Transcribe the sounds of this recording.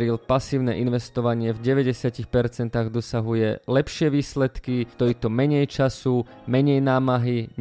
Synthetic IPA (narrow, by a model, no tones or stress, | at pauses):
ɾilpasiːʊnɛ̰ʔinʋɛst̪ɔʋaɲɪɛvɟɛʋɛɟɛsɪacixpɛɾt͡sɛnt̪aːɣd̪ɔsaɦujɛlɛpʃɪɛʋiːslɛt̪kit̪ɔit̪ɔmɛɲɛjt͡ʃasu | mɛɲɛjnaːmaɦiɲ